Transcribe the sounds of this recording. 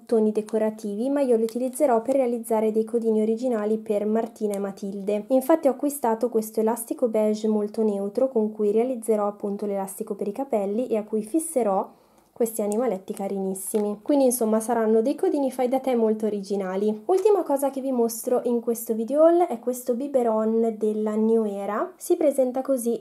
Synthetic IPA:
t̪ːoːnid̪ekoɾat̪iːvimaiːoliut̪ilid̪zːeɾɔperːealid̪zːaːɾed̪ejkod̪iːnioɾid͡ʒinaːlipermart̪iːnaemat̪ild̪eiɱfat̪ːiɔakːwist̪aːt̪okwest̪oelast̪ikobɛʒmolt̪onɛwt̪ɾokoŋkujɾealid̪zːeɾɔapːunt̪olelast̪ikopeɾikapɛlːiʔeakːujfisːeɾɔ | kwest̪ianimalɛt̪ːikaɾinisːimikwind̪insomːasaɾanːod̪ejkod̪iːnifajd̪at̪ɛmːolt̪oːɾid͡ʒinaːliult̪imakɔːzakevimost̪ɾoʔiŋkwest̪ovid̪eoɔlɛkːwest̪obibeɾɔnd̪elːanjoɛːɾasipɾezɛnt̪akozi

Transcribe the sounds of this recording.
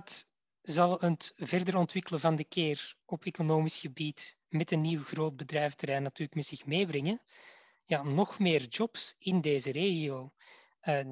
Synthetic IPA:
t | zɑlˠəntvɛrdərɔntʋɪkələvɑndəkeːrɔpeːkonoːmisxəbit | mɛtənːiwɣroːd̚bədrɛjftəɾɛːnːɑtyːrləkmɛtsɪxmeːbrɛŋən | jaːnɔxmɪːrd͡ʒɔpsɪndeːzəɾeːɣioː | ə

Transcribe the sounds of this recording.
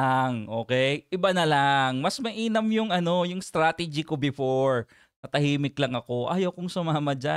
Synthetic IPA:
aŋʔo̞ːkɛjʔɪbanɐlaŋmɐsmɐʔiːnɐmjʊŋʔɐno̞jʊŋst̪ɾaːt̪ɛd͡ʒɪkobɪfoɹ | k̪ɐt̪ɐhiːmɪklɐŋɐko̞ʔa̰ːjɐwkʊŋsʊmaːmɐd͡ʒa

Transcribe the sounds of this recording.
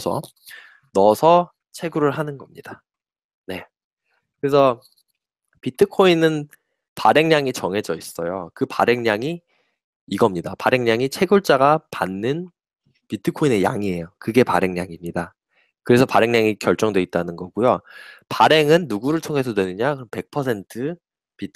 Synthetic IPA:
sʰʌ̰ | nʌsʰʌ | t͡ɕʰe̞ɡuɾɯɭɦanɯnɡʌmɲid̥a | ne̞ | kɯɾe̞sʰʌ | pitʰɯkʰoinɯn | paɾe̞ŋɲaŋit͡ɕʌŋɦe̞d͡ʑʌis͈ʌjokɯpa̰ɾe̞ŋɲaŋiː | ɡʌmɲidapaɾe̞ŋɲaŋit͡ɕʰe̞ɡuɭt͡ɕ͈aɡapanːɯn | pitʰɯkʰoine̞ja̰ŋie̞jokɯɡe̞pa̰ɾe̞ŋɲaŋimɲida | kɯɾe̞sʰʌpaɾe̞ŋɲaŋikjʌɭt͡ɕ͈ʌŋdwe̞it̚t͈anɯnɡʌɡujopaɾe̞ŋɯnːuɡuɾɯɭtʰoŋɦe̞sʰʌdwe̞nɯɲakɯʌmpe̞k̚pʰʌsʰe̞ntʰɯ | pitʰ

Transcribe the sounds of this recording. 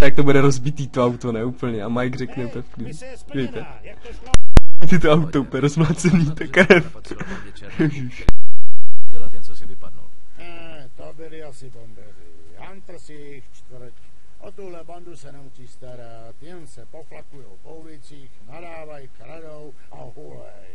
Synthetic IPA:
t̪ak̚t̪obudɛɾozbit̪iːt̪oawt̪onɛuːpl̩ɲɛʔamajɡrɛknɛt̪ɛfklii | tɛjt̪ɛ | t̪ɪt̪oawt̪owpɛɾozmlaːt͡sɛnit̪ɛkɾɛf | jɛʒiʃ | nɛ | t̪obɪlɪasɪt̪ombɛli | ant̪r̩si | xt͡ʃt̪vr̩c | ʔot̪uɦlɛband̪usɛnɛut͡ʃiːst̪aɾa | t̪jɛnsɛpoflakujɛoowvɛt͡siːxnadaːvajkɾadow | ʔa̰ɦu | ɛ̰

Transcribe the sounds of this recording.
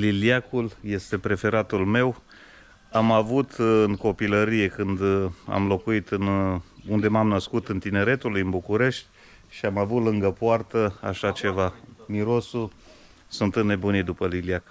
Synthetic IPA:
liljakulje̞st̪e̞pɾe̞fe̞ɾat̪ulme̞w | amavut̪ɨŋko̞piləɾije̞kɨnd̪a̰mlo̞kuit̪ɨnund̪e̞mamnəskut̪ɨnt̪ine̞ɾe̞t̪ulujɨnbukuɾe̞ʃt̪ʲ | ʃiamavut̪lɨŋɡəpoart̪əa̰ʃat͡ʃe̞vamiɾo̞su | sunt̪ɨnnebunid̪upəliliak

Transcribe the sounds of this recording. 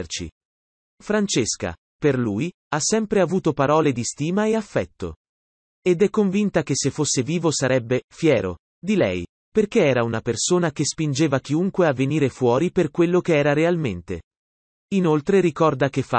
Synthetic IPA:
rt͡ʃḭ | fɾant͡ʃeska̰ | perluːj | asːɛmpɾeavuːt̪opaɾɔːled̪ist̪iːmaeafːɛt̪ːo̰ | ed̪ɛkːoɱvint̪akesːefːosːeviːvosaɾɛbːefjɛːɾo̰ | d̪ilɛ̰j | perkeɛːɾaunapersoːnak̟espind͡ʒeːvak̟iuŋkweavːeniːɾefwɔːɾiperkwelːokeɛːɾaɾealment̪ḛ | inolt̪ɾeɾikɔrd̪ak̟efːa̰

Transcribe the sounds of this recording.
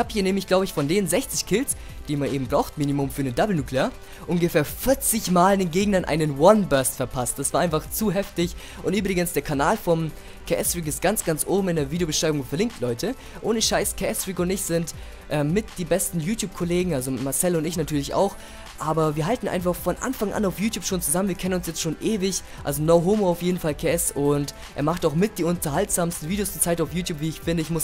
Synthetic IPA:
ɪçhaːbhiːɐneːmɪçɡ̥laʊbəɪçfɔndeːnnzɛçt͡sɪçkʰɪls | d̥iːmanʔeːbm̩bʁaʊxtmiːnimʊmfyːɐnəndabl̩nuːklea | ʔʊnɡəfeːɐfɪɐt͡sɪçmaːlɪndeːnɡeːɡŋ̩ndɐnʔa̰ɪnənwɔnbœɐstfɛɐpʰast̚d̥asv̥aːɐʔaɪnfaχt͡suɦɛftɪç | ʔʊntyːbʁɪɡənsd̥eːɐkʰanaːlfɔn | kʰɛstʁ̥iːk̬ɪstɡ̥ant͡sɡ̥ant͡sʔoːbm̩ɪndeːɐviːdeobəʃʁ̥aɪbʊŋfɛɐlɪŋk̚tʰlɔʏtʰə | ʔoːnəʃaɪskʰeʔɛstʁ̥iːkʊntɪçz̥ɪnt | ʔɛːmːɪtd̥iːbɛstn̩juːtʰjuːp̚kʰoleːɡŋ̩alzomaɐsɛlʊntɪçnatʰyːɐlɪça̰ʊx | ʔaːbɐviːɐɦaltn̩ʔa̰ɪnfaχfɔnʔa̰nfaŋʔa̰naʊfjuːtʰjuːpʃoːnt͡suzamənviɐkʰɛnənʊnsjɛt͡stʃoːnʔeːvɪç | ʔa̰lzonoʊɦoːmoaʊfjeːdn̩falkʰeɛsʊnt | ʔḛːɐmaχtaʊxmɪt̚d̥iːʊntɐɦaltz̥aːmstn̩viːdejoːstət͡saɪtaʊfjuːtʰjuːpv̥iːɪçfɪndəɪçmʊs

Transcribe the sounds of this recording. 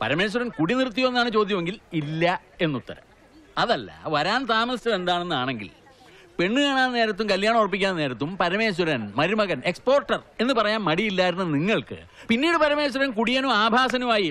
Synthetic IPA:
pɐ̰ɾɐme̞ːɕ̬wɐɾɐnkuɽinirt̪̬ːijoe̞nːaːɳɨt͡ɕoːd̪jɐmeŋɡililːɐe̞nːut̪ːɐɾɐ̰m | ɐðɐlːɐ̰ʋɐɾaːnt̪aːmɐstɐðe̞nd̪aːɳe̞nːɨaːɳe̞ŋɡḭl | pe̞ɳːɨɣaːɳaːnneːɾɐt̪ːumkɐljaːɳɐmurɐp̬ːikʲːanːɐne̞ːɾɐt̪ːumpɐɾɐme̞ːɕ̬wɐɾɐnmɐɾimɐɣɐnekspo̞ːrʈːɐre̞nːɨpɐrɐjaːnmɐɽijilːaːjiɾunːɐniŋːɐɭkɨ̰ | pinːiːɽɨpɐɾɐme̞ːɕ̬wɐɾɐnkuɽijɐnuaːbʱaːs̬ɐnumaːji

